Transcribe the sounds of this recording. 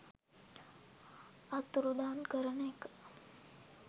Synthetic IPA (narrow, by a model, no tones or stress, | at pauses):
at̪uɾud̪aːnkəɾənəekə̥